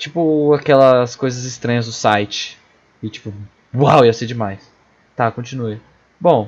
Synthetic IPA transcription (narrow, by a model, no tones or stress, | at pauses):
t͡ʃipʊakɛlɐskojzɐzɪst̪ɾɐ̃ɲɐzd̪ʊsajt͡ʃɪ̥ | ɪt͡ʃi̥pʊ | wawewsed͡ʒɪmajs | t̪akõt͡ʃĩnue | bõw̃